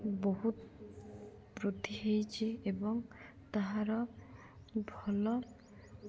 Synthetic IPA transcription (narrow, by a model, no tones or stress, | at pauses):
boɦut̪ | pɾot̪iɦejt͡ʃʰeebɔŋ | t̪aɦaɾɔ | bʱɔlɔ